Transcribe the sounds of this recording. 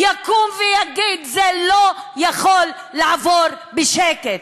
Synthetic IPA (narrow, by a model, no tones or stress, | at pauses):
jakumvejaɡid̪zɛlojaχolː | aʕavod | beʃeket̪